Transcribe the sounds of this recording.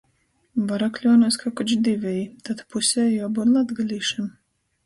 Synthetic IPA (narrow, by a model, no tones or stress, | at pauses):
baɾaklʲɔːnɔskakɔt͡ʃd̪ivʲɛjit̪at̪pusʲɛjabɔɾlˠad̪ɡalʲiːʃam